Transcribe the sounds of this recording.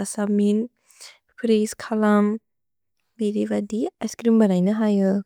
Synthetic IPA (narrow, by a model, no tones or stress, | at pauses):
asamin | pʰɾeskʰalam | beɾibadiaskɾimbɐnajnɯɦajɯ